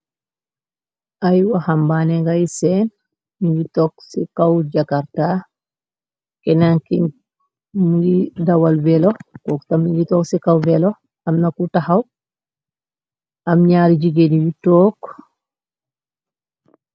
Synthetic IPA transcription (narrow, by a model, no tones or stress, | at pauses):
ʔajwahambanɛŋɡajsɛn | miɲd͡ʒitɔksikawd͡ʒakaɾta | kɛnaŋkin | mujidawalvɛlɔkɔktamiɲd͡ʒitɔksikawvɛlɔ | amnakutahaw | ʔamɲaːɾid͡ʒiɡediwitːɔk